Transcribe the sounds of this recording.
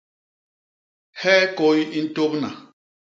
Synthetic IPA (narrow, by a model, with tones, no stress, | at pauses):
hɛ˦ko˦ji˦n̩˦to˦pna˨